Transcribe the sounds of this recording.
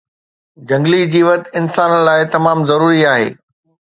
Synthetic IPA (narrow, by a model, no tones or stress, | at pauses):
d͡ʑɐ̃ŋɡlid͡ʑiːʋɐt̪ɪnsaːnəlaːɪt̪ɐmaːmzɐɾuːɾiaːɦḛː